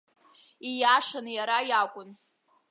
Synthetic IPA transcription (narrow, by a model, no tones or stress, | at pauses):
ijaʂanjaɾajakʷʼʊn